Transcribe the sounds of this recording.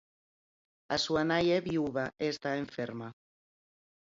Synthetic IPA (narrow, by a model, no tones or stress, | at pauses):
asuanajeβiuβaʔeːst̪aeɱfeɾma